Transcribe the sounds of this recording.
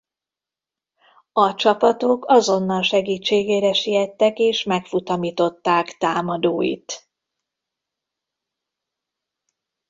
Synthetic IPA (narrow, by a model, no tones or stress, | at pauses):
ɒt͡ʃɒpɒt̪o̞kɒzo̞nːɒlʃɛɡiːt͡ʃːeːɡeːɾɛʃijɛt̪ːɛkeːʃmɛkfut̪ɒmiːt̪o̞t̪ːaːkt̪aːmɒd̪oːjḭt̪